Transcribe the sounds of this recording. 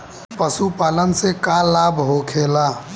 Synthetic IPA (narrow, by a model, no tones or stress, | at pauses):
pəsupalənsekalabɦokʰela